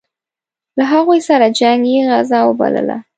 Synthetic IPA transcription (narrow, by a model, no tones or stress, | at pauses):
laɦaɣojsaɾad͡ʒaŋɡjeɣazɑwəba̰lə̰la̰